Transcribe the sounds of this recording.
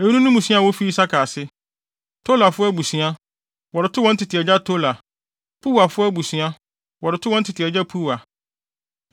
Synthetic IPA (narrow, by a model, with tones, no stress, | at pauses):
e˨˦u˦nũ˦nʊ̃˦mũ˨sĩ˦a˦˨wɔ˦fi˦i˦sa˦kʰa˨sɪ˦ | tʰo˦la˨fʊ˦ɛ˦bu˨sĩ˨˦a˦ | wɔ˨ɾɪ˨tʰʊ˦wɔ˦n̩˦tʰɪ˨tʰɪ˨ɛ˨d͡ʑa˦tʰo˦la˨ | pʰu˦wa˨fʊ˦ɛ˦bu˨sɥ̃a˦ | wɔ˨ɾɪ˨tʰʊ˦wɔ˦n̩˦tʰɪ˨tʰɪ˨ɛ˨d͡ʑa˦pʰu˦wa˨